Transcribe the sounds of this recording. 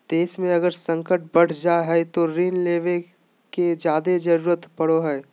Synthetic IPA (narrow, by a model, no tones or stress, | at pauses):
d̪̥eːsmẽɐɡəɾsə̃ŋkəʈ̚bɐɽ̤d͡ʒaɦɛt̪oɾiːnleːʋe | ked͡ʒjaːd̪ed͡ʒɐɾuːɾət̪pɐɽoɦɛː